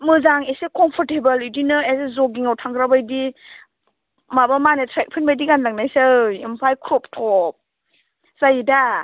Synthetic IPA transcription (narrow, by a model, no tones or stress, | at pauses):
mɯzaŋesekɔmpʰɔɾtebɐlidinɯeszɔɡiŋawtʰaŋɡɾabajdi | mabamanetʰɾɛk̚pʰɯnbajdiɡanlaŋnajsaimpʰajkʰɾɔp̚tʰɔp̚ | z̥ajida